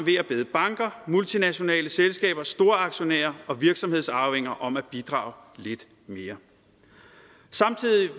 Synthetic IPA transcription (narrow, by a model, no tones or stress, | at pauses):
ʋe̝ːɐb̥e̝ːð̩ˠb̥ɑ̈ŋɡ̥ɐmult͡sʰinæɕo̝nɛ̰ːləselsɡ̥ɛ̰ːb̥ɐsd̥o̝ːɐɑ̈ɡ̥ɕo̝næ̰ːɐɒ̽ʋiɐɡ̥sɒ̽mhe̝ð̰ˠsɑ̈ʊheŋ̰ɐʔɒ̽mæb̥id̥ʁɑ̰̈ːʊle̝d̥ | me̝ːɐ | sɑ̈mt͡sʰið̰ˠi